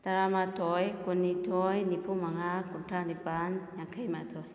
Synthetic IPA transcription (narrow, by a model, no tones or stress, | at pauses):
t̪aɾamat̪ʰɔjkunːitʰɔjnipʰumaŋakuntʰanipanjaŋkʰəjmat̪ʰɔj